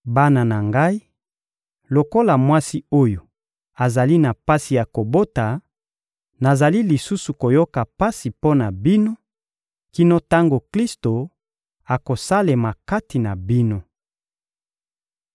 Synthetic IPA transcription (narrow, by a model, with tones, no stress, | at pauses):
ba˦na˨na˨ŋɡa˦i˦ | lo˨ko˦la˨mwa˦si˦o˦jo˨ | a˨za˨li˦na˨pa˦si˨ja˨ko˨bo˦ta˨ | na˨za˨li˦li˨su˦su˨ko˨jo˦ka˨pa˦si˨po˦na˨bi˦no˦ | ki˦no˦ta˦ŋɡo˨kli˦sto˨ | a˨ko˨sa˦le˨ma˨ka˦ti˨na˨bi˦no˦